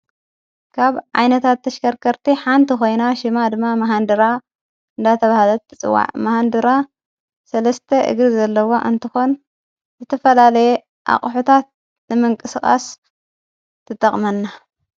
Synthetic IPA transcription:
kʰaβʕa̰jnɐt̪ʰat̪ʰːɐʃkɐɾkʰɐɾt̪ʰiħant̪ʰixo̞jnaʃɪmad̪ɨmːamɐɦand̪ɨɾa | ɨnd̪at̪ʰɐβahlɐt̪ɨt͡sʼɨ̰wːa̰ʕmahand̪ɨɾa | sɐlɐst̪ʰɐʔɨ̰ɡɾizɐlːɐwo̞ʔɨnt̪ʰɨxo̞n | zɨt̪ʰɐfɐlalɐje | ʔa̰χʼħut̪ʰat̪̚ | nɨmɨŋkʼɨsxʼa̰s | t̪ʰɨt̪ʼɐχʼmɐnːa

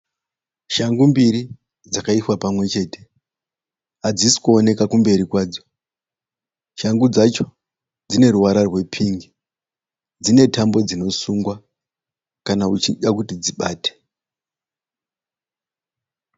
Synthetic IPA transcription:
ʃaŋɡumbiɾi | d͡zakaiswapamwe̞t͡ʃe̞ːte̞ | ad͡zisi̥kuone̞kakumbe̞ɾikwaːd͡zo | ʃaŋɡud͡zat͡ʃo̞̥ | d͡zine̞ɾuwaɾarwe̞pʰiŋɡi | d͡zine̞tambo̞d͡zino̞suŋɡwa | kanaut͡ʃiɗakutid͡ziɓaːte̥

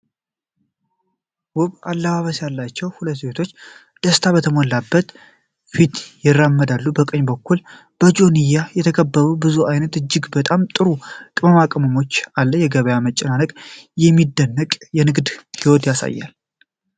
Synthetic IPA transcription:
wʊβalːəβaβəsjalːat͡ʃːɛwhulət̪ːbet̪ʰo̞t͡ʃː | d̪̥əst̪ʰaβət̪ʰəmolːabːət̪ | fit̪jɪrːamːəd̪alːubəkʼəɲbəkʰːul | b̥əd͡ʒo̞nijajɛt̪ʰəkʰəbːəɾubɨzuʔajnət̪ɨd͡ʒːɪɡbət̪ʼamt̪ʼɨɾukʼɨməmakʼəməmo̞t͡ʃːalːəjɛɡəβəjamət͡ʃʼːɪnanəkʼjɛmːid̪ːənːəkʼjɛnɨɡd̪hiwot̪jasa̰jːa̰l

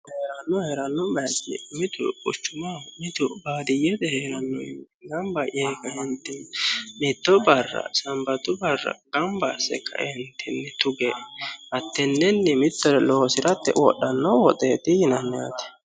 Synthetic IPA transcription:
heɾɐnːɔheɾɐnːɔbɐsɪ̰mɪt̪ʊ̰ʊ̰t͡ʃːʊmɐmɪt̪ʊbaːd̪ɪjɛd̪ɛheːɾɐnːɔ̰j̰n | ɡɐmbɐʔeːkɐhɪnt̪ːɪnmɪt̪ːɔbɐrːɐ̰sɐmbɐt̪ʊbɐrːɐ̰ɡɐmbasɛ̰kːɐ̰ʔɛhɪnt̪ːɪnːɛt̪ʊɡɛʔɐt̪ːɛnːɛnːɛmɪt̪ːɔɾɛloːsɪɾɐt̪ːɛ̰wɔ̰ɗːɐnːɔwɔt̪ʼeːt̪ɪhɪnɐnːɪa̰ːt̪ɛ̥

